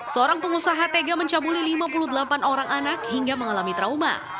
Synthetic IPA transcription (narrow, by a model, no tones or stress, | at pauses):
səoɾaŋpəŋusaɦat̪eɡaməɲt͡ʃabulilimapuluhd̪əlapanoɾaŋanak̚hiŋɡaməŋalamit̪ɾauma̰